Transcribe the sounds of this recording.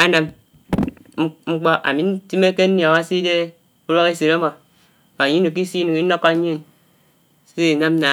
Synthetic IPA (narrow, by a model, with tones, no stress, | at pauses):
a˦na˨m˦ | ŋ͡m̩˦k͡pɔ˦ʔa̰˨mi˨n̩˦ti˦me˦ke˦n̩˦nja˨a˨wa˦si˦de˦ | u˦ɾo˦ke˦se˨ɾa˦mo˨ | a˨ɲi˦no˨k̬i˦si˦nu˨ŋi˦no˦ka˦ɲi˦˨n | se˦i˨na˦m˦na˨